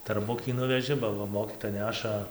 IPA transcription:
tɐrˈbʊkʲiː ˈnʊʋʲɛʒʲɪ bɐ ˈʋɐ ˈmoːkʲiːtoːjɛ ˈnʲæːʃɐ

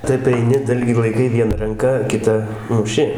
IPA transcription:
ˈtɐɪp ɐɪˈnʲɪ ˈdɐlʲɡʲiː lˠɐɪˈkɐɪ ˈʋʲiɛnɐ rɐŋˈkɐ kʲɪˈtɐ mʊˈʃʲɪ

